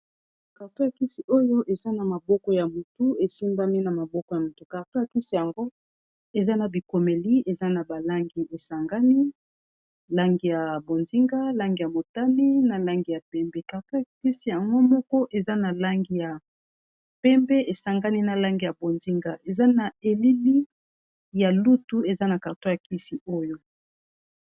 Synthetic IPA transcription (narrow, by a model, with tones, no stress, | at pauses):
ka˨to˦ja˨ki˦si˨o˦jo˦ʔe˨za˦na˨ma˨bɔ˦kɔ˦ja˨mu˨tu˦e˨si˦mba˦mi˦na˨ma˨bɔ˦kɔ˦ja˨mo˨tu˦ka˨ʁto˦a˨ki˦si˦˨ja˨ŋɡo˦ | e˨za˦na˨bi˨ko˨me˨li˦e˨za˦na˨ba˨la˦ŋɡi˨˦ʔe˨sa˨ŋɡa˦ni˦ | la˦ŋɡi˨ja˨bo˨nzi˦ŋɡa˦la˦ŋɡi˨ja˨mo˨ta˦mi˦na˨la˦ŋɡi˨ja˨pɛ˦mbɛ˦ka˨ʁto˦ja˨ki˦si˨ja˨ŋɡo˦mɔ˦kɔ˦ʔe˨za˦na˨la˦ŋɡi˦ja˨ | pɛ˦mbɛ˦ʔe˨sa˨ŋɡa˦ni˦na˨la˦ŋɡi˨ja˨bo˨nzi˦ŋɡa˦ʔe˨za˦na˨e˨li˦li˦ | ja˨lu˦tu˦e˨za˦na˨ka˨ʁto˦ja˨ki˦si˨o˦jo˦